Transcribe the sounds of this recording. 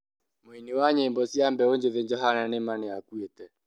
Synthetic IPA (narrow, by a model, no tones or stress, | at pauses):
moiniwaɲeimbɔsjambɛoɲd͡ʒeðeɲd͡ʒɔɦananemaneakwetɛ